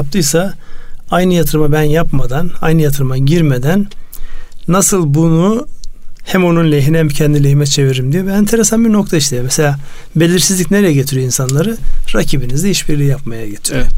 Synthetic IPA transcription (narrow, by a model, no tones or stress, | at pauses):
ap̚t̪ʰɯjsaajnɯjat̪ʰɯɾmabænjapmad̪ana̰jnɯjat̪ʰɯɾmaɟiɾmed̪ænː | asɯlˠbunu | hæmo̞nunlʲeɦinhɛmcʰɛnd̪ilʲeɦimɛt͡ʃʰe̞viɾimd̪ijobænt̪ʰeɾesanbiɾno̞kt̪ʰaiʃlʲejomese̞lʲaː | be̞lʲiɾsizlʲicʲne̞ɾejɛɟe̞t̪ʰiɾyøinsanlˠaɾɯɾacʰibinizd̪ɛiʃbiɾlʲijapmajaɟet̪ʰiɾijo